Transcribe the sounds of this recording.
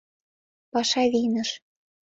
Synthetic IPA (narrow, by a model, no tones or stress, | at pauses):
pɑʃɑðinə̆ʃ